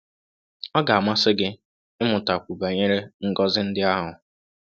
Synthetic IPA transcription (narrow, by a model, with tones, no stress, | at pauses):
ɔ˦ɡa˨a˨ma˦sɪ˦ɡɪ˦ | ɪ˦mʊ˨ta˨kʷu˨ba˨ɲe˦ɾe˦ŋ̩˨ɡɔ˦zɪ˦n̩˦dɪ˦a˦ɦʊ˨